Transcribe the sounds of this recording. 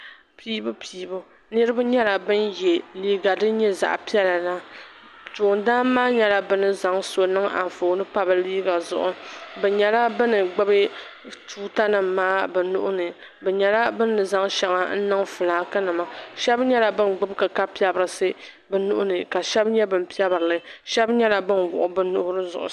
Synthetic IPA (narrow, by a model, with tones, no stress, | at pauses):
piː˦bu˦pʰiː˨bu˦ | nɨ˦ɾɨ˦bɨ˦ɲɛ˦la˨bɨ˦njɛ˨liː˦ɡa˨dɨ˦ɲɛ˦za̰˨ʔpi˦ɛ˦la˨na˦ | tu˨ʊ˨ndaː˦maː˦ɲɛ˦la˦bɨ˦nɨ˨za˨ŋso˨nɨ˦ŋa̰˨ɱ˨foː˨nɨ˦pa˦bɨ˦liː˦ɡa˨zʊ˨ʔʊ˨bɛ˨ɲɛ˨la˦bɨ˦nɨ˨ɡ͡bɨ˦bɨ˦ | tuː˦ta˦nɨ˨mːaː˦bɛ˨nʊ̰˦ʔʊ˦nɨ˨ | bɛ˨ɲɛ˨la˦bɨ˦nːɨ˨za˦ŋʃɛ˨ŋa˨n̩˦nɨ˦ŋfɨ˨laː˨˦kɨ˦nɨ˨ma˨ʃɛ˦bɲɛ˦la˨bɨ˦nɡ͡bɨ˦bkɨ˨ka˦pi˦ɛ˦bɨ˨ɾɨ˨sɨ˦ | bɛ˨nʊ˦ʔʊ˦nɨ˨ka˨ʃɛ˦bɲɛ˦bɨ˦m˨pi˦ɛ˦bɨ˨ɾɨ˨lɨ˦ʃɛ˦bɲɛ˦la˨bɨ˦nɡʊ̰˨ʔʊ˨bɨ˦nʊ˦hʊ˦ɾɨ˦zʊ̰˨ʔʊ̰˨